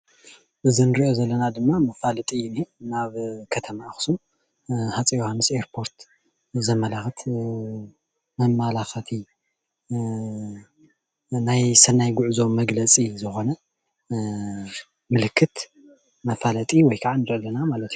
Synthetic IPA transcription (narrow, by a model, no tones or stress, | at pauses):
ʔɨzinɨɾiʔozɐlːɐnad̪ɨmːamɐfalɐt̪ʼinenaβkʰɐt̪ʰɐmaːxɨ̥sum | hat͡sʼijohanɨseɾpʰo̞ɾt̪ | zɐmɐlaxɨt̪ʰ | mɐmːalaxɐt̪ʰi | najsɐnːajɡʊʕuzo̞mːɐɡlɐt͡sʼizɨxo̞nɐ | mɨlɨkʰːɨt̪ | mɐfalɐt̪ʼiwɔjkʰaʕanɨɾolːɐnamalɐt̪